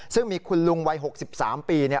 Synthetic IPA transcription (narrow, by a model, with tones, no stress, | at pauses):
sɯ˥˩ŋmiː˧kʰu˧nlu˧ŋwa˧jɦo˨˩k̚si˨˩p̚sa̰ː˩˦mpiː˧ni˥˩